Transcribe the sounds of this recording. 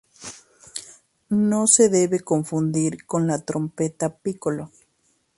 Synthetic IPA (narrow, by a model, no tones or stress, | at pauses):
noseðeβekoɱfund̪iɾkonlat̪ɾompet̪apikolo